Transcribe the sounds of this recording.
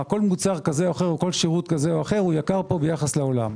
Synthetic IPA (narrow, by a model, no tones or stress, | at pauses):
ako̞lmut͡saʁkazeoaχeʁoko̞lʃiʁut̪kaze̞oaχe̞ʁujakaʁpo̞bejaχasleo̞la̰m